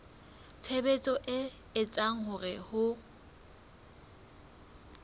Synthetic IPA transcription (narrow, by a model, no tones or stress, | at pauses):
t͡sʰebet͡sʼɔʔɪ | ɪt͡sʼaŋ̩hʊrɪhʊ